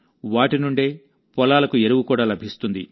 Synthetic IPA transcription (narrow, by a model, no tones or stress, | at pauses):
ʋaːʈinuɳɖeː | pɔlaːlɐkueɾuwukuːɽaːlɐbʱist̪und̪ḭ